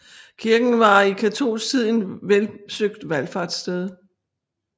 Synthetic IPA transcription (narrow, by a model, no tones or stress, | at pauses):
kʰiɐɡ̥n̩ʋɑ̈ikʰæt͡sʰo̝̰ːlsɡ̥t͡sʰið̞̰ˠn̩ʋelsøɡ̥̚d̥ʋælfɑ̈d̥sd̥eð̞ˠ